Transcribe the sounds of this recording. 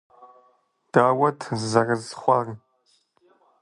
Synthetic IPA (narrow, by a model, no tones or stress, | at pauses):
d̥aːwɐtʰzɐrɐzχʷɑːrɨ